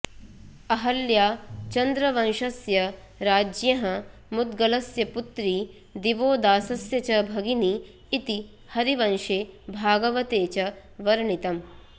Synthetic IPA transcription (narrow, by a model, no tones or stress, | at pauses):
ɐɦɐljaːt͡ʃɐnd̪ɾɐʋɐnʃɐsjɐ | ɾaːd͡ʒjɐɦɐmud̪̚ɡɐlɐsjɐput̪ɾi | d̪iʋoːd̪aːsɐsjɐt͡ʃɐbʱɐɡiniː | t̪i | hɐɾiʋɐnʃeːbʱaːɡɐʋɐt̪eːt͡ʃɐ | ʋɐɾɳit̪ɐm